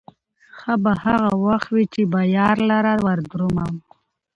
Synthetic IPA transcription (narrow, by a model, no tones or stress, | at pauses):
xabahaɣawaxt̪wit͡ʃebɑjɑːɾlaɾaɾwaɾd̪ɾumam